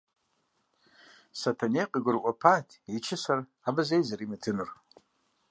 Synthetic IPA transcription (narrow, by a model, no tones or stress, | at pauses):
satʰaneqʼiɡɨrkʷʼapʰatʰit͡ʃʰɪsar | abɨzejzaɾimɨtʰɨnɨr